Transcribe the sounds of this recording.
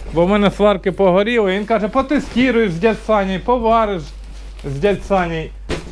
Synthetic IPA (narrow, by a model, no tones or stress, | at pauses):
bɔmɛnɛsʋɑrkɪpɔɦɔɾʲilˠɪʋinkɑʒɛpɔt̪ɪsʲtʲiɾʊjɪʒzʲdʲɐt̪sɑnʲijpɔʋɑɾɪʃ | zʲdʲasɑnʲij